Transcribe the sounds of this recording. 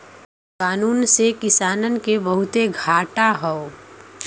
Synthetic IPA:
kaːnuːnsekɪsaːnənkebəɦʊt̪eɡʱaːʈaɦɔo

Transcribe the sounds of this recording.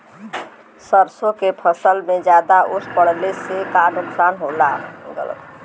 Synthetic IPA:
səɾsokepʰəsəlmed͡ʒjad̪aʔusʰpəɽ̤lesekanuksanɦola̰ɡə̰lə̰b

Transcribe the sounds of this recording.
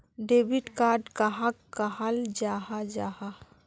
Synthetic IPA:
ɖebiʈkaːɾɖkaɦakkːaɦald͡ʒaɦad͡ʒaːɦa

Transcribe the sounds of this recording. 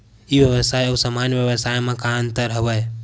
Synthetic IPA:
ibjəβəsajəusəmanjəʋjəβəsajmẽkaənt̪əɾɦəbəj

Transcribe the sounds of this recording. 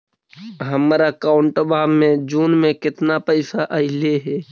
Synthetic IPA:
ɦəmaɾakaʊɳʈəbaːmmẽd͡ʒuːnmẽkɪt̪napəɪsaʔəɪleɦɛː

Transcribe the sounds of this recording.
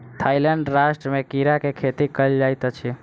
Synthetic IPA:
t̪ʰailəɳɖɾaʃʈɾəmẽkiɾakekʰet̪ikəld͡ʒajt̪ət͡ʃʰie

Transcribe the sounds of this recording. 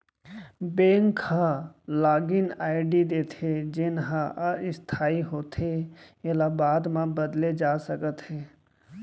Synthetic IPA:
bẽːŋkhãlaːɡɪnaːɪɖid̪eːt̪ʰed͡ʒɪnɦãʔɪst̪ʰaːiɦoːt̪ɦeelabaːd̪mãbəd̪led͡ʒaːsəkət̪ɦɛː

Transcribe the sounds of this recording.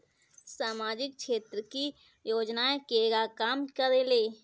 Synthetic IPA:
saːmaːd͡ʒɪk̚ʃeːt̪ɾəki | joːd͡ʒnaekeːɡakaːmkəɾeleː

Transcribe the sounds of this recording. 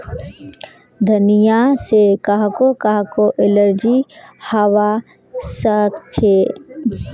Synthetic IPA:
d̪ʱənijasekaɦkokaɦkoʔeləɾd͡ʒihəwa | səkt͡ʃʰe

